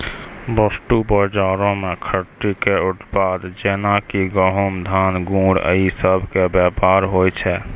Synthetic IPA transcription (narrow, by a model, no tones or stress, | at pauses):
bəsʈubəɾd͡ʒaːɾõmẽkʰəɾʈ̪ɾikeʊʈ̪pad̪d͡ʒenakiɡəɦəmd̪ʱanɡũɽə̰isəbʱkebjɛpaɾɦojt͡ʃʰɛ